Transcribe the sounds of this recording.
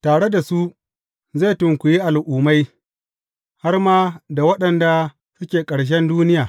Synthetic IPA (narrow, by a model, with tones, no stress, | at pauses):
taː˨ɽe˦da˨su˦ | ze˦˨tʊ˨ŋkʷʊ˨ji˦ʔa˨lʔuː˨ma˦j | ha˦rmaː˦da˨wɐ˦ɗɐ˨nda˨ | sʊ˦kʲeː˨kʼɐ˨ɽʃ̬ɛ˦nduː˦nɪ˦jaː˨